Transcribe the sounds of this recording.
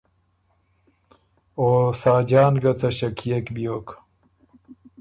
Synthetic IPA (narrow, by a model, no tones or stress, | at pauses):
oːsaːd͡ʑaːnɡɐt͡sɐɕɐkʰijɐkbijoːk